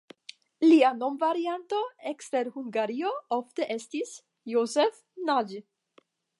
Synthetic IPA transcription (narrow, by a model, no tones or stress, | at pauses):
liano̞mvaɾiantoe̞kste̞ɾhuŋɡaɾio̞ofte̞ʔe̞stis | josef | nad͡ʒ